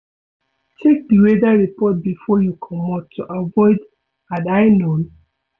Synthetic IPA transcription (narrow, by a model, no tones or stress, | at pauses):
tʰek̚diwedaɹipɔt̚bifɔjukʰɔmɔtʰːuʔavɔɪd | adaɪnon